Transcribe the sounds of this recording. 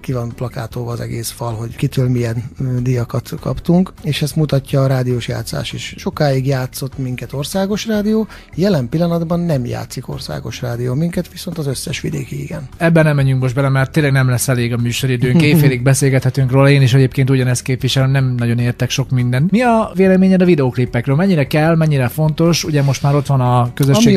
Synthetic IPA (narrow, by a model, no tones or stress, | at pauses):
kivɒnplɒkaːt̪oːvɒːzɛ̰ɡḛːsfɒlɦo̞ɟkit̪øːlmijɛnd̪ijɒkɒt̪kɒ̰pt̪uŋkeːʃɛst̪mut̪ɒcːɒːɾaːd̪ijoːʃja̰ːt̪sːa̰ːʃḛːʃʃo̞kaːiɡjaːt̪so̞t̪ːmiŋkɛt̪o̞rsaːɡo̞ʃraːd̪ijoː | jɛlɛmpilːɒnɒd̪bɒnːɛmja̰ːt̪siko̞̰rsa̰ːɡo̞̰ʃraːd̪ijoːmiŋkɛt̪ʋiso̞nt̪ɒzøsːɛʃʋḭd̪ḛːkiḭɡɛnɛbːɛnɛmɛɲyŋkmo̞ʒd̪bɛlɛmɛrt̪ːeːlɛɡnɛmlɛsːɛleːɡɒmyːʃo̞ɾid̪øːŋkeːfeːliɡ̚bɛseːlɡɛt̪hɛt̪yŋkroːlɒeːniʃ̬ɛɟeːpkeːnt̪uɟɒnɛst̪̚keːpʋiʃɛlɛmnɛmnɒɟo̞neːrt̪ɛkʃo̞kmind̪ɛnmiɒveːlɛmeːɲɛd̪ɒvid̪ɛoːklipːɛkrøːlmɛɲːiɾɛkɛlːmɛɲːiɾɛfo̞nt̪o̞ʃuɟɛmo̞ʃt̪maːɾo̞t̪ʋɒnɒkøzøʃeː